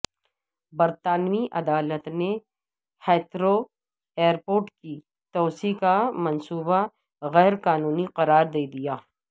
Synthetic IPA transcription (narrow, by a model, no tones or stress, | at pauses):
bɐɾt̪aːnwiʔɐd̪aːlət̪ne | hɛːt̪ʰɾo | eːəɾpoːɾʈki | t̪ɔːsikamɐnsuːba | ɣɛːɾqaːnuːniqɐɾaːɾd̪eːd̪ijaː